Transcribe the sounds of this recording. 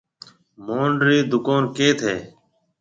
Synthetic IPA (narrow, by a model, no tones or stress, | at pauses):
moːɳɖɾiːd̪ʊkoːnkeːt̪ʰeː